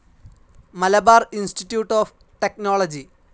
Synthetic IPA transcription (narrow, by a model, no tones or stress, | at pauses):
mɐlɐbaːrinsʈiʈːjuːʈːoːf | ʈek̚noːɭɐd͡ʑi